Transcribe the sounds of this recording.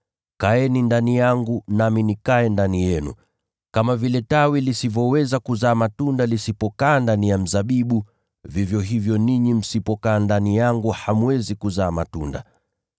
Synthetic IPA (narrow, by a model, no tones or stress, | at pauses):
kaɛnindanijaŋɡunaminikaɛndanijɛnṵ | kamavilɛtawilisivɔwɛzakuzaːmatundalisipɔkaːndanijam̩zaɓiɓu | vivjɔɦivjɔniɲim̩sipɔkaːndanijaŋɡuhamuɛzikuzaːma̰tṵnda̰